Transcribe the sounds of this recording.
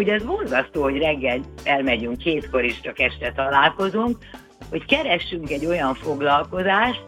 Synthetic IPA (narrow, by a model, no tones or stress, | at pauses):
oɟɛzbo̞nzɒst̪oːho̞ɟrɛɡːɛlɛlmɛɟyŋkheːt̪ko̞ɾiʃt͡ʃɒkɛʃt̪ɛt̪ɒlaːlko̞zuŋk̚ | ho̞ckɛɾɛʃːyŋkɛɟːo̞jɒɱfo̞ɡlɒlko̞zaːʃt̪